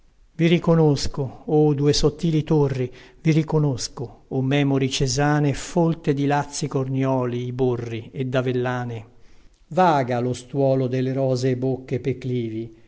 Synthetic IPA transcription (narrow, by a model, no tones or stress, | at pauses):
virikonoskood̪uːesot̪ːiːlit̪orːivirikonoskoːmːɛːmoɾit͡ʃezaːnefolt̪ed̪ilat̪sːikornjɔːliːborːied̪avelːaːne | vaːɡalost̪wɔːlod̪elːeɾɔːzeːbokːepekliːvi